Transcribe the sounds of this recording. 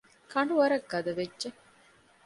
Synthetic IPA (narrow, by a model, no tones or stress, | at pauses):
kɐɳɖuʋɐɾɐɡːɐd̪ɐʋedːʒe